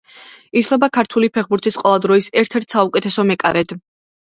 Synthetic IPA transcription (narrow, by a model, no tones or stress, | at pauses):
it̪ʰlˠɛbakʰaɾt̪ʰulipʰɛχbuɾt̪ʰisqʼɔlˠad̪ɾɔisɛɾt̪ʰɛɾt̪ʰsaukʼɛt̪ʰɛsɔmɛkʼa̰ɾɛd̪̥